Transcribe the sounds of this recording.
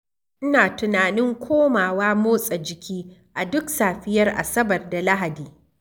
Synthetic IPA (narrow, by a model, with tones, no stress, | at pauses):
ʔɪ˦naː˨tʊ˨naː˨nɪ˦ŋkʷʰoː˦maː˨waː˦moː˦sʼɐ˨d͡ʒɪ˨kʲiː˦ʔa˨dʊ˦ksaː˨ɸɪ˦jɐ˦rʔa̰˨sɐ˦bɐ˨rda˨la˦ɦa˨diː˨